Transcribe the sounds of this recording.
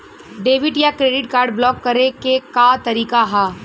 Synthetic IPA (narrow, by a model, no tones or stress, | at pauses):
ɖeːʋɪʈjakɾeːɖɪʈkaːɾɖblɔːkːɐɾekekat̪ɐɾiːkaɦɛː